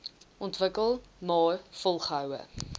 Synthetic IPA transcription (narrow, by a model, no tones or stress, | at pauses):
ʔɔntvəkəlˠmɑːfɔlˠχəɦœwə̰